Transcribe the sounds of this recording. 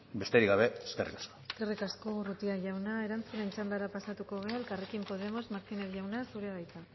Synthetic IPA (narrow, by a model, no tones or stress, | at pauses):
be̞st̪eɾiɣaβe̞eskerḭkḁskoeske̞rikasko̞rut̪iaʝawnae̞ɾant͡sunent͡ʃand̪aɾapasat̪uko̞ɣeaelkarekimpo̞ð̞e̞mo̞zmaɾt̪inesʝawnasuɾeaðajt̪a